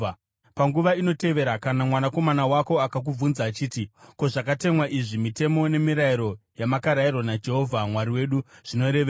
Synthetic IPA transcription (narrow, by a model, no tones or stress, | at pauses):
paŋɡuʋaino̞te̞ʋe̞ɾakanamwanako̞manawako̞akak̬ub͡vunzaːt͡ʃiːtiko̞ʐakate̞mwaʔiʐimite̞mo̞ne̞miɾaiɾo̞jamakaɾairwanad͡ʒe̞ɦo̞vʱamwaɾiwe̞ɗuʐ̥ino̞ɾeʋe